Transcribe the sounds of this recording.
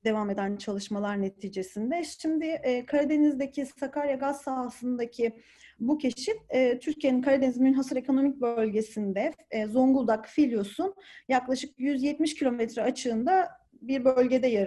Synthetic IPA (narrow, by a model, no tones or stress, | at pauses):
d̪e̞vame̞d̪ænt͡ʃʰalˠɯʃmalˠaɾne̞t̪ʰiːd͡ʒe̞sind̪ɛʃʃimd̪ɪːkʰaɾad̪e̞nizd̪ecʰisakaɾjaɡazsalsɯnd̪acʰi | bucʰe̞ʃinɛːt̪ʰyɾcʰije̞ninkʰaɾad̪enizmynɦasɯɾe̞kʰo̞no̞mic̚bølʲɟe̞sind̪ɛfːzo̞ŋɡulˠd̪akfilʲjo̞sunjaklˠaʃɯk̚jyzjɛt̪miʃcʰilʲo̞mɛt̪ɾɛat͡ʃʰɯːnd̪a | biɾbølʲɟe̞d̪ɛjaɾ